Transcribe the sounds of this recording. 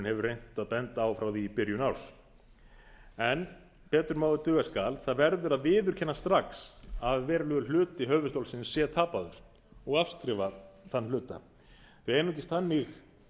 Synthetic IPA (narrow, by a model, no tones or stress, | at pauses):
nhɛvʏɾrrejn̥t̪aðpɛnt̪aːwfɾawðipɪɾjʏnaws | ɛn | pɛːt̪ʏɾmaːwðʏt̪ʏːɣaskaːlθaðvɛɾðʏɾaðvɪːðʏɾ̥cʰɛnːast̪ɾaksaðvɛːɾalʏːɣʏl̥ʏːt̪ɪiɦœːvʏst̪owlsɪnsːjɛt̪ʰaːpaðʏɾ̥ | ɔɣafskɾɪːvaθanːlʏːt̪a̰ | θvɪɛnːut̪iɪst̪θanːɪx